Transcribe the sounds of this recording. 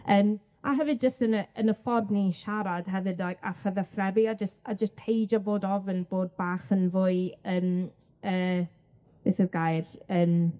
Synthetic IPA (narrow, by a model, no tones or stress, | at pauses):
əːm | a̰ɦɛvɨdd͡ʒəstənəənəfɔrvniʃaɾad̥ɦɛvɨdajka̰fəðaθrɛbiad͡ʒəstad͡ʒəspʰejd͡ʒaboːdɔvənb̥oːd̚baːχənvʊɨəːm | əː | v̥eːθəɡajrəːm